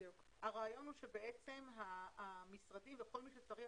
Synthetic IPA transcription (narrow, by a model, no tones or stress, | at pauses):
uk | haʁaːjo̞nhuʃe̞be̞e̞t͡se̞mɦamisʁadimveχo̞lmiʃet͡saʁi